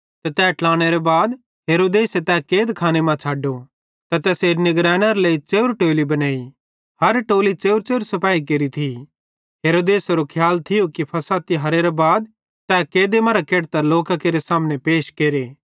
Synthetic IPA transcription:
t̪ɛt̪ɛːʈlaːɽ̃eɾebaːd̪ | ɦeːɾoːd̪eːset̪ɛːkeːd̪kʰaːñemãt͡ʃʰaːɖo | t̪ɛt̪ɛːseːɾnɪɡɾɛːɽ̃ɐɾleit͡ʃeːʊɾʈoːlibɐnaːi | hɐɾʈoːlit͡ʃeːʊɾt͡ʃeːɾsɐpaːik̬eɾit̪ʰi | ɦeːɾoːd̪eːsɾokʰjaːlt̪ʰɪjokipʰɐsat̪iɦɐɾeɾebaːd̪̚ | t̪ɛːkeːd̪emɐɾakeːɽt̪ɐloːkakeːɾesaːmñepeːʃkeːɾeː

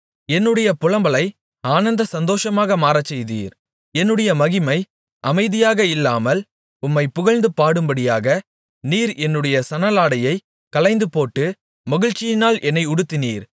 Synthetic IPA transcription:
ɛnːɯɽɐjɐpʊɻɐmbɐlɐɪ | aːnɐnd̪ɐsɐnd̪oːʂɐmaːɣɐmaːɾɐt͡ʃːɛjðḭːɾ | ɛnːɯɽɐjɐmɐɣɪmɐɪ | ʔɐmɐɪðɪjaːɣɐɪlːaːmɐl | ʊmːɐɪpʊɣɐɻnd̪ɯpaːɽɯmbɐɽɪjaːɣɐ | niːɾɛnːɯɽɐjɐsɐnɐlaːɽɐjɐɪ | kɐlɐɪnd̪ɯpoːʈːɯ | mɐɣɪɻt͡ʃːɪjɪnaːlʔɛnːɐɪʊɽɯt̪ːɪniːɾ

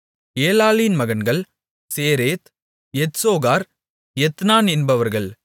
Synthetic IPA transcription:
eːlaːlinmɐɣɐnɡɐɭ | seːɾeːt̪ | ɛt̪soːɣaːɾ | jɛt̪naːnɛnbɐʋɐɾɣɐɭ

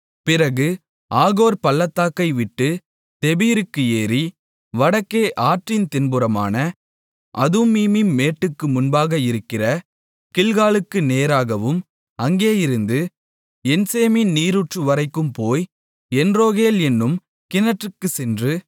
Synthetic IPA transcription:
pɪrɐɣɯ | ʔaːɣoːɾpɐlːɐt̪ːaːkːɐɪʋɪʈːɯ | t̪ɛbiːɾɯkːɯeːɾi | ʋɐɽɐkːeːʔaːʈrɪnt̪ɪnbɯɾɐma̰ːnɐ | ʔɐ̰ðumiːmɪnːeːʈːɯkːɯmʊnbaːɣɐɪɾɯkːɪrɐ | kɪɭɣaːlɯkːɯneːɾaːɣɐʋɯm | ɐŋɡeːjɪɾɯnd̪ɯ | ɛnseːmɪnniːɾuʈrɯʋɐɾɐɪkːɯmpoːj | ɛndroːɣeːlɛnːɯm | kɪnɐʈrɯkːɯsɛndrɯ

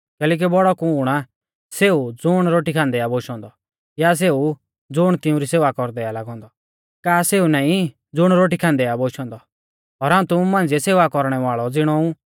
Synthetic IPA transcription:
kɛːlɛːk̬ibɔɽɔkʊɽ̃a | seːud͡zʊɽ̃ɾoːʈikʰãnd̪ɛaboːʃɔ̃ːnd̪ɔ | jas̬eːu | d͡zʊɽ̃t̪ɪũɾiseːʋakɔɾd̪ɛalaɡɔ̃ːnd̪ɔ | kaːseːunaːĩ | d͡zʊɽ̃ɾoːʈ̬ikʰãnd̪ɛjaboʃɔ̃ːnd̪ɔ | ɔːɾaːũt̪ʊũmãːnd͡ziɛseːʋakɔɾɽ̃ɛʋaːɭɔd͡zɪɽ̃ɔũ

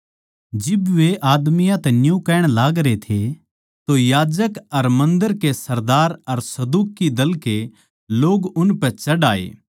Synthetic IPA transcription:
d͡ʒɪbʋeʔaːd̪mɪjãt̪ɛnjũkɛːɽ̃laːɡɾet̪ʰe | t̪ojaːd͡ʒəkɐɾmɐ̃nd̪əɾkesɐɾd̪aːɾɐɾsɐd̪uːkːid̪ɐlke | loːɡʊnpɛt͡ʃɐɽaːḛː

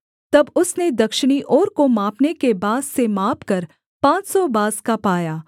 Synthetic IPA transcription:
t̪ɐbʊsned̪ɐkʃɪɽ̃iʔɔːɾkomaːpnekebaːd̪semaːpkɐɾ | pãːt͡ʃsɔbaːskapaːjaː

